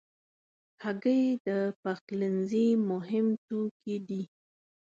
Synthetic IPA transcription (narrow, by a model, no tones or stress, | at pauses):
haɡəjd̪əpaxlɪnzimʊɦɪmt̪okid̪i